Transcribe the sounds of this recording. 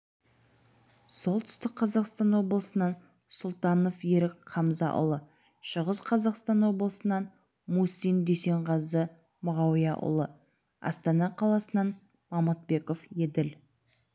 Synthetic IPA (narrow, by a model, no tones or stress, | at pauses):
so̞lˠt̪ʰʏ̥st̪ɪk̚qʰɑzɑqst̪ɑnwo̞blˠəsənɑn | sʊlˠt̪ɑno̞fje̞ɾɪkqʰɑmzɑ̰ʔʊ̰lˠə | ʃəʁəsqʰɑzɑqst̪ɑnwo̞bəlˠəsənɑn | musijnd̪ese̞ɴʁɑzə | mʊʁɑwijɑʔʊ̰lˠə | ɑ̰st̪ɑnɑqʰɑlˠɑsənɑn | mɑmɑt̪̚be̞ko̞fjed̪ɪl